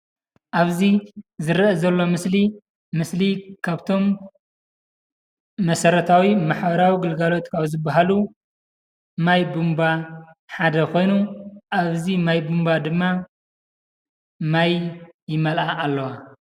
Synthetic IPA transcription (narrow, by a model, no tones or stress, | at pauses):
ʔaβzizɨɾʔɐzɐlːo̞mɨsli | mɨslikʰaβt̪ʰo̞m | ɐsɐɾɐt̪ʰawimaħbɐɾawiɡɨlɡalo̞t̪kʰaβzɨbːaɦalu | majbumba | ħad̪ɐkʰo̞jnuʔaβzimajbumbad̪ɨmːa | majjɪmɐlʔaʔːlːɐwa